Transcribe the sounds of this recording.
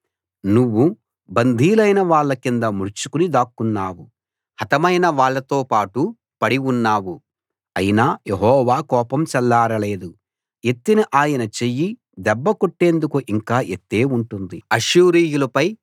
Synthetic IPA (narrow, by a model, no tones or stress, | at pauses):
nuʋːu | bɐnd̪ʱiːlɐjnɐʋaːɭːɐkind̪ɐmuɾt͡ʃukunid̪aːkːunːaːwu | hɐt̪ɐmɐjnɐʋaːɭːɐt̪oːpaːʈu | pɐɽiunːaːwu | ɐjinaːjeɦɔːʋaːkɔːpɐmt͡ʃɛlːaːɾɐle̞ːd̪u | e̞t̪ːiniʔaːjɐnɐt͡ʃeji | d̪ɛbːɐkoʈːe̞ːnd̪ukuʔiŋkaːʔet̪ːe̞ːuɳʈund̪iɐʃuːɾiːjulɐpɐj